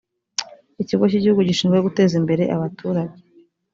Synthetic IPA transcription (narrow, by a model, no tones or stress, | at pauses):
iciɡociɟihuɡuɟiʃiːnɡweoɡute̞ːzimbe̞ɾe̞ʔaβatuːɾaɟe